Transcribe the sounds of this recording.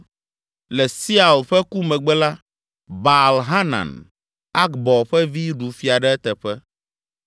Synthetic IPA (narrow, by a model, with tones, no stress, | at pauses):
lɛ˨si˦a˨lɸɛ˦ku˦mɛ̃˨ɡ͡bɛ˦la˦ | ba˨lɦa˦nã̰˨n | a˦kbɔ˨ɸɛ˦vi˦ɖu˨fi˨a˨ɖɛ˦ɛ˦t̪ɛ˨ɸɛ˦